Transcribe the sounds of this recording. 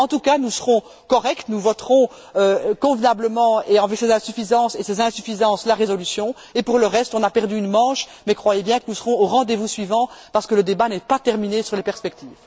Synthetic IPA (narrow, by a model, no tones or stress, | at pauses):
ɑ̃t̪ukanusəʁɔ̃ | kɔʁɛkt̪nuvɔt̪χɔ̃ | økɔ̃vnabləmɑ̃eɑ̃vɛsezɛ̃syfizɑ̃ːsesezɛ̃syfizɑ̃slaʁezɔlysjɔ̃ | epuʁləʁɛst̪ɔ̃napɛʁd̪yynmɑ̃ːʃmɛkχwajebjɛ̃kənusəʁɔ̃oʁɑ̃d̪evusɥivɑ̃paʁsə̥kələd̪ebanɛpat̪ɛʁminesyʁlepɛʁspɛk̚t̪iːv